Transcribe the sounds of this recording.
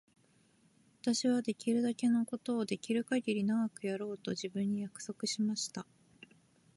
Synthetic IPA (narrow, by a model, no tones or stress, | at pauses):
βat̪aɕiβad̪e̞kʲiɾɯ̟d̪ake̞no̞ko̞t̪o̞ːd̪e̞kʲiɾɯ̟kaɡʲiɾʲinaɡakɯ̟jaɾo̞ːt̪o̞ʑibɯ̟̃ɲ̟ːijakɯ̟̥so̞kɯ̟ɕimaɕi̥t̪a